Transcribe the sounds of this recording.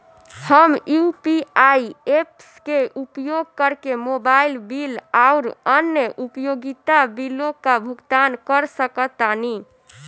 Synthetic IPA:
həmjupiaiepskeʔupjoɡ̚kəɾkemobailbilaʊɾənjəʔupjoɡit̪abilokabʱuɡt̪ankəɾsəkət̪ani

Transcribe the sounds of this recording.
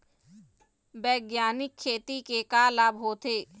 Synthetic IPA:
bɛːɡjaːnɪkʰːeːt̪ikekaːlabɦoːt̪eː

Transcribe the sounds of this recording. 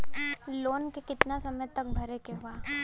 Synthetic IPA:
loːnkekɪt̪nasɐməjt̪ɐk̚bʱɐɾekeɦʊaː

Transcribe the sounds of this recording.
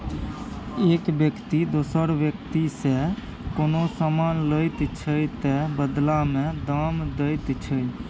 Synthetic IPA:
eːkbjəkt̪id̪oːsəɾbjək̚t̪ise | koːnosamaːnləjt̪t͡ʃʰəjt̪əbəd̪lamẽd̪amd̪əɪt̪t͡ʃʰəj

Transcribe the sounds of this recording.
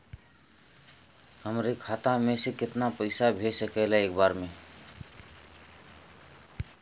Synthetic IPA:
həmɾekʰat̪amẽsekɪt̪napəɪsabʱesəkɛɪlaeːk̚baːɾme

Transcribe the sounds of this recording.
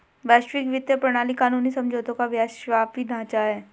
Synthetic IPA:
ʋɛːʃʈɾɪkʋɪt̪jəpɾɐɽ̃aːlikaːnuːnisɐ̃md͡ʒoːt̪õkaʋjaːʃʃʋaːpbid̪ʱãːt͡ʃaɦɛː

